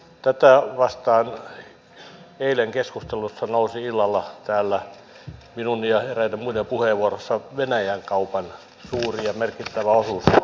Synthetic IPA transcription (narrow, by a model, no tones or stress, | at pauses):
t̪æt̪æʋɑst̪ɑːn | eileŋkeskust̪elusːɑnousiilːɑlːɑt̪æːlːæ | minunnijɑherænemmuinempuheʋuorosːɑʋenæjæŋkɑupɑn | suːriɑmerkit̪ːæʋæosus